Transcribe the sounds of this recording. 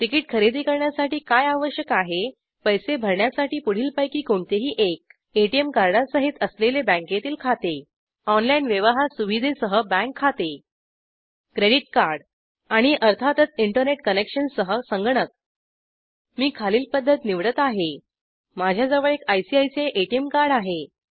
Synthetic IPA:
ʈikiːʈ̚kʰəɾed̪ʱiːkəɾɳjasaʈiːkajaʋəɕjəkaɦe | pəjsebʱəɾɳjasaʈiːpuɽ̤iːlpajkiːkoɳt̪eɦiːʔek̚ | eʈiemkaɾɽasəɦit̪əslelebə̃ŋket̪iːlkʰat̪e | ɔnlainʋjəʋaɦasuʋid̪ʱesəɦəbæ̃ŋkʰːat̪e | kɾeɽiʈ̚kaɾɽ | aɽ̃iʔəɾt̪ʰat̪ət͡siɳʈəɾneʈkənekɕənsəɦəsəŋɡɳək̪̚ | miːkʰaliːlpəd̪ʱːət̪niʋɽət̪aɦe | mad͡ʑʱjad͡zəʋəɭekajsiajseʔeʈiemkaɾɽaɦe

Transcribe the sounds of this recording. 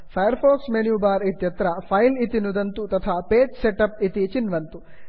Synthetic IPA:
pʰɐjɐɾpʰoːksmenjuːbaːɾit̪jɐt̪ɾɐpʰɐjlit̪inud̪ɐnt̪ut̪ɐt̪ʰaːpeːt͡ʃseʈɐp̚it̪it͡ʃinʋɐnt̪u

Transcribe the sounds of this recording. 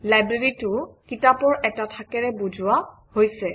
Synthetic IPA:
lajbɹeɹitʊkitapɔɹɛtatʰakɛɹɛbuzʱʊa | hojsɛ

